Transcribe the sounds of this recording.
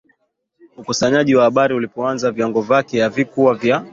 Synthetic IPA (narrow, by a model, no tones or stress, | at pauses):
ukusaɲaʄiwahaɓaɾiulipɔanzaviaŋɡɔvakɛjavikuwavja